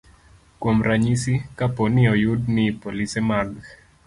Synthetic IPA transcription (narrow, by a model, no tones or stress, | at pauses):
kwɔmɾaɲisikapɔniɔjudnipolisɛmaɡ